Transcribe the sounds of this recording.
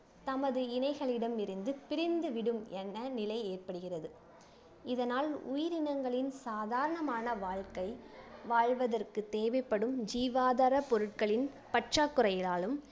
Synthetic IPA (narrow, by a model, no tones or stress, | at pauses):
t̪ɐmɐðɯɪnɐɪɣɐɭɪɽɐmɪɾɯnd̪ɯpɪɾɪnd̪ɯʋɪɽɯmɛnːɐnɪlɐɪeːrpɐɽɯɣɪrɐðɯ | ɪðɐnaːlʊ̰jɪɾɪnɐŋɡɐɭɪnsaːðaːɾɐɳɐmaːnɐʋaːɻkɐɪʋaːɻʋɐðɐrkɯt̪eːʋɐɪpːɐɽɯmd͡ʒiːʋaːðaːɾɐpɔɾɯʈ̚kɐɭɪn | pɐʈt͡ʃaːkːɯrɐjɪlaːlɯm